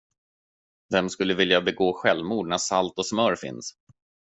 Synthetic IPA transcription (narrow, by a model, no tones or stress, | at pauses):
vɛmskɵlːəvɪljabɛɡoːɧɛlmuːɖnæʂalt̪ɔsmœɾfɪ̰ns